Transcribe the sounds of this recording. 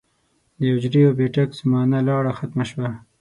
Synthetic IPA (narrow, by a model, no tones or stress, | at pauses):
d̪əjʊd͡ʒɾijobeʈakzamɑːnalɑːɽaxat̪maʃwa